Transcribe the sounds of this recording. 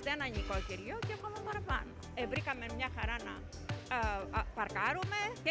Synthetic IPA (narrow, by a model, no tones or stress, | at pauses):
ðeenɐɲikociɾʝoceɐkomɐpɐɾɐpɐno̰evɾikɐmemɲɐxɐɾɐnɐ̰ | pɐɾkɐɾume̞ce